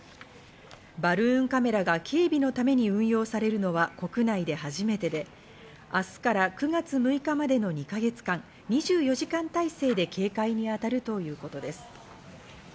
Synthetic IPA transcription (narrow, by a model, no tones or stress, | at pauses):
baɾɯ̟̃ŋkame̞ɾaɡakʰe̞ːbʲino̞t̪ame̞ɲ̟iɯ̟̃ɰ̃jo̞ːsaɾe̞ɾɯ̟no̞βako̞kɯ̟naid̪e̞haʑime̞t̪e̞d̪e̞ | asɨ̥kaɾakɯ̟ɡat͡sɨmɯ̟ikamad̪e̞no̞ɲ̟ikaɡe̞t͡sɨ̥kãŋ | ɲ̟iʑɨːjo̞ʑikãnt̪aise̞ːd̪e̞kʰe̞ːkaiɲ̟iat̪aɾɯ̟t̪o̞jɯ̟ːko̞t̪o̞d̪e̞sɨ̥